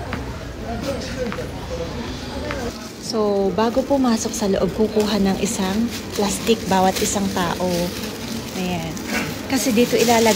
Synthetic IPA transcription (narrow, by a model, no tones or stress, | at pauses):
so̞baːɡo̞pʊmaːso̞k̚sɐloʔob̚kukuːɦɐnɐŋʔɪsaŋ | plast̪ɪk̚baːwɐt̪ʔɪsaŋt̪a̰ːʔo̞ | ʔɐjan | kɐsɛd̪iːt̪o̞ʔɪlaːlɐ